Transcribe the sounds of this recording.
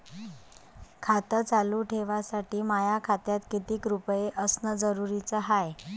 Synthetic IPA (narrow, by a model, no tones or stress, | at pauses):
kʰat̪ət͡saluːʈʰeʋasaʈiːmajakʰat̪jat̪kit̪iːkɾupjeʔəsnəd͡zəɾuɾit͡səɦaj